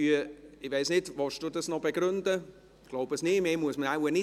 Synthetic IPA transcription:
yəɪʋeɪsnɪtʋɑʃd̥udɑsnɔbeɡɾʏndə | ɡ̥loʊbəsnɪːmeːmuəsmənawənɪ

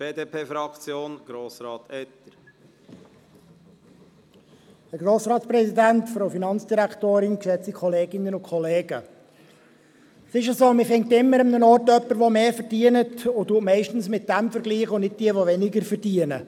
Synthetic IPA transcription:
b̥eːdeːpʰeːfɾɑkt͡sjoːnɡ̥ɾoːsɾɑːt̪ɛt̪ːəɾ | hɛɾɡroːsɾɑːtsprɛsidæntfɾoʊfinɑnt͡sd̥iɾæktoːɾɪnkʃɛt͡sikʰɔleːɡɪnːənʊkʰχɔleːɡə | sɪʃəzoːmɪfɪŋk̚tɪmːəɾəmnənɔrtœpːəɾʋomeːfəɾd̥iənətʊtuətmɛɪʃtən̩smɪt̚d̥æmfəɾɡliːχʊnɪd̚d̥iəʋoʋɛnɪɡəɾfəɾdiənə̰

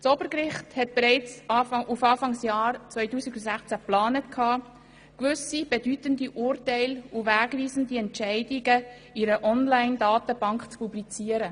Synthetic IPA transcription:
t͡sɔb̥əɾkɾɪχthɛt̚b̥eɾɛɪt͡sːʔufɑːfɑŋsjɑːɾt͡svœʏtuːsiɡusæχt͡sæplɑːnətkʰhɑː | kʋʏsib̥ɛdytəndiʔʊːɾtæɪluvæːɡʋiːzəndiɛntt͡ʃɛɪdiɡə | iɾəʔɔnlaɪndɑːtəb̥ɑŋkχt͡spublit͡siːəɾə

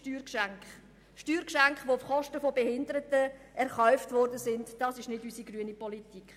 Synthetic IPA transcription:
tyːɾkʃæŋkχ | ʃtyːɾkʃæŋkχʋoʊfχɔʃtəfɔbɛhɪndəɾətəʔɛɾχœʏftʋɔrdəsɪndd̥ɑːsɪʃnɪdysiɡryənipɔlitikχ

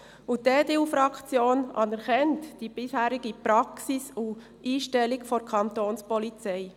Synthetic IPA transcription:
udeːdeːuːfɾɑkt͡sjoːnʔɑ̰nɛɾkɛntd̥ib̥ɪshæːɾiɡipɾɑksisu | ʔiːʃtɛlɪkfɔɾkʰɑnt̪oːnspɔlit͡sɛɪ

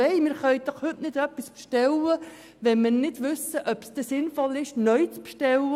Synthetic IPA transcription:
ɛɪmɪɾχœʏd̥ɔχhʏtnɪd̥œpːispʃtɛlə | ʋɛnmɪnɪdʋʏsəʔœpsd̥̪ɛsɪnfɔlɪʃnœɥt͡spʃtɛlə

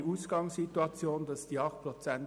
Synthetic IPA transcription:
uːsɡ̥ɑŋsituɑt͡sjoːnd̥ɑsd̥iːɑχt̚prɔt͡sɛn

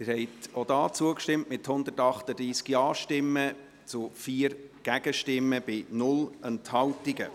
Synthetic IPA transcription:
mɪɾhɛɪtod̥̪ɑːt͡suəkʃtɪmtmɪthʊnd̪ətɑχt̪əd̪ɾiːskjɑːʃtɪmːə | t͡sʊfiːəɾɡ̥æɡ̥əʃtɪmːəb̥ɪnʊlənthɑltɪɡə

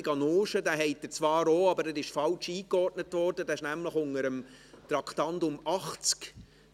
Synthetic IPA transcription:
ɡɑnoːʃədæːɦɛɪtːət͡sʋɑːɾoːɑbəɾɛɾɪʃfɑlt͡ʃiːkɔrtnətvɔɾd̥ədæːɪʃnæmləχʊŋəɾəm | t̪ɾɑkχtɑndʊmɑχt͡sk

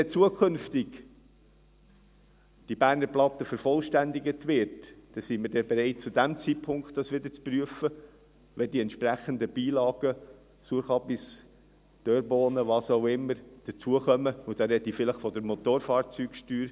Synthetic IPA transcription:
ɛt͡suəkʰɵnftɪɡ | d̥ibæːɾnəɾplɑt̪ːəfəɾfɔlʃtændɪɡətʋɪɾtd̥ɛsimɪɾdɛbɛɾɛɪt̚t͡sudæmt͡siːpʰʊŋktːɑsʋɪd̥̪əɾt͡spryəfə | ʋɛdiɛntʃpɾæχənd̪əb̥iːlɑːɡ̥ə | suəχɑpɪs | d̪̥øːɾbɔːnəʋɑːsoʊɪmːəɾd̥ət͡suəχœməʊd̥ɑɾɛdəifɪləχfɔd̥əɾmɔt̪oːɾfɑːɾt͡syːkʃtyːɾ

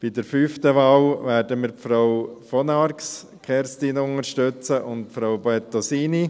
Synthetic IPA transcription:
b̥idəɾfyːftəʋɑːwʋɛːɾdəmiːɾpfɾawfɔnɑɾks | kʰɛɾstinʊnəɾʃtøt͡səʔʊntpfɾowboɛt̪osiːni

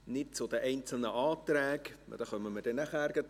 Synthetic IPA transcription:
nɪt̚t͡sʊd̥̪əʔɛɪnt͡sl̩nəʔɑːt̪ræːɡ̰d̪̥ɑχœməməd̥ɛnæχæɾɡ̥ət

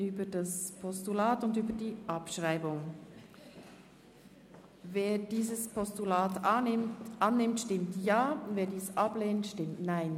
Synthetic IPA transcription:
yːbədaspʰɔstulaːtʊndyːbədiːʔɑpʃʁaɪbʊŋ | veːdiːzəspʰɔstulaːt | ʔanːɪmtʃtɪmtjaːveːɐdiːsʔapleːntʃtɪmtnaɪn

